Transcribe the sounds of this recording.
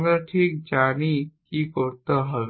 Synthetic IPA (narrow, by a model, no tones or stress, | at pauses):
ŋɡɾəʈʰik̚d͡ʑañikiːkoɾt̪əɦəʋ